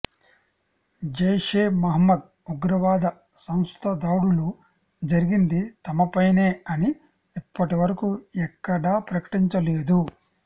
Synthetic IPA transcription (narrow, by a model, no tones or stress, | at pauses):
d͡ʒɐjʂeːmɐɦɐmːɐd̪̚ | uɡɾɐʋaːd̪ɐ | sɐmst̪ʰɐd̪aːɽulu | d͡ʒɐɾiɡind̪it̪ɐmɐpɐjneːɐni | ipːɐʈiʋɐɾɐkuɛkːɐɽaːpɾɐkɐ̥ʈiɲt͡ʃɐleːd̪u